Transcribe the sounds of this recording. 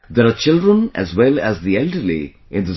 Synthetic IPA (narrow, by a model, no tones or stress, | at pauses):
d̪eɾat͡ʃɪlɖɾə̃næ̰zʋɛlæzd̪iɛlɖəɾlḭ | ɪ̃nd̪ɪs